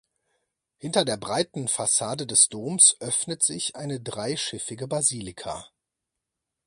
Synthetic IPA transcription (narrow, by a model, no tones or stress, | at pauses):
hɪntɐdeːɐbʁaɪtn̩fasaːdədɛsd̥oːmsʔœfnətz̥ɪçʔaɪnədʁaɪʃɪfɪɡəbaziːlɪkʰa̰